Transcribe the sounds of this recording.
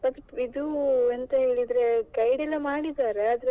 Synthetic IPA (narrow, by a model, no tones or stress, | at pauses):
ɐd̪id̪uent̪ɐɦeːɭid̪ɾe̞ɡɐjɽɛlːɐmaːɽid̪aːɾeɐd̪ɾe